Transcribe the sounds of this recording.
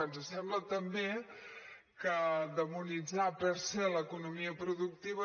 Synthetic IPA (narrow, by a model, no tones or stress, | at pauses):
anzəsɛmblət̪əmbe | kəd̪əmunid͡zapəɾsɛləkunumiəpɾuðuk̚t̪iβə